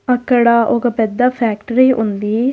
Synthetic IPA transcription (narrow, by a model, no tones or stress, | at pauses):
ɐkːɐɽɐʔoɡɐpɛd̪ːɐpʰaːk̚ʈɐɾiʔund̪i